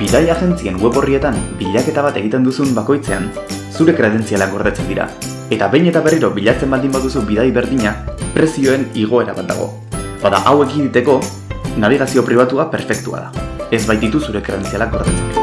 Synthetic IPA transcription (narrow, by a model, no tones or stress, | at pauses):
b̥iðajaʝe̞nt͡sie̞ŋɡwe̞βo̞rie̞t̪ambiʎake̞t̪aβ̞at̪e̞ɣ̞it̪e̞nd̪usumbako̞jt͡se̞a̰nsuɾe̞kɾe̞ð̞e̞nt͡sialakɡo̞ɾðet͡send̪iɾa̰ | e̞t̪aβe̞jɲe̞t̪aβe̞riɾo̞βiʎat͡se̞mbald̪imbaðusubiðajβe̞ɾðiɲapɾe̞sio̞e̞niɣ̞o̞e̞ɾaβat̪̚d̪a̰ɣ̞o̞̰ | baða̰ʔawe̞kid̪it̪e̞ko̞ | naβ̞iɣ̞asio̞pɾiβat̪uape̞ɾfe̞kt̪ua̰ða̰e̞zβajt̪d̪it̪usuɾe̞kɾe̞ð̞e̞nt͡sialakɡo̞ɾðet͡sen